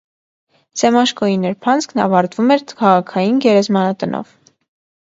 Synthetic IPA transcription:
sɛmɑʃkɔinɛɾpʰɑnt͡skʰnɑ̰vɑɾt̪vumɛɾkʰɑʁɑkʰɑjinɡɛɾɛzmɑnɑt̪ənʔɔ̰v

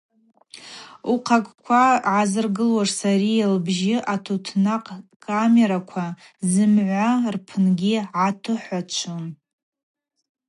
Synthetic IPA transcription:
uqʰakʷʼkʷʰaʕazɨrɡɨlwaʐsaɾialbʒɪʔatʰotʰnaqʼkʼːame̞ɾakʷʰa | zɨmʕʷarpʰɨnɡʲiʕatʰɨħʷat͡ʃʷʰɨn

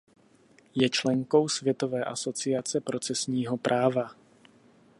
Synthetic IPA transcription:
jɛt͡ʃlɛŋko̞wsvjɛt̪o̞vɛːʔaso̞t͡sɪat͡sɛpɾo̞t͡sɛsɲiːɦo̞pɾʔaːva

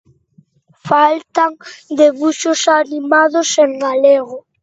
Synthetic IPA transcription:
falt̪aŋd̪eβuʃosanimaðoseŋɡaleɣo

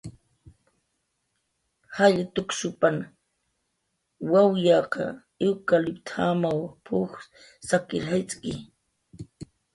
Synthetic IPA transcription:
haʎat̪ʊksʊpan | wawjɑqɑ̰ | ewkalɪpt̪ʰamawpʰʊx | sakɪɾhajt͡sʼkɪ

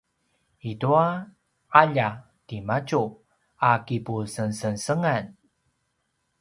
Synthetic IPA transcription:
itua | aʎa | timat͡ʃu | akipusənsənsəŋan

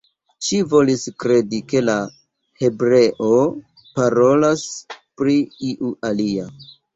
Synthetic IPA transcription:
ʃivo̞liskɾe̞dike̞la | he̞bɾe̞ʔo | paɾo̞laspɾiiʔualia

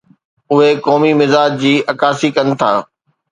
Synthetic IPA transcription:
ʊɦekɔːmimɪzaːd͡ʑd͡ʑiːʔɐkaːsikɐnɪ̆t̪ʰa̰ː

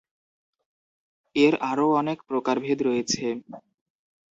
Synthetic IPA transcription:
eɾaɾoɔnekpɾokaɾbʱed̪ɾojet͡ɕʰe

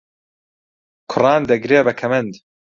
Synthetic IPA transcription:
kʰʊrɑːnd̪ɐɡɾeːbɐkʰɐmɐnd̪

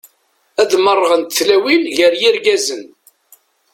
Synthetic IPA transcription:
æðmərˤːəʁənt̪θlæwilʝəɾjiɾɡæzən

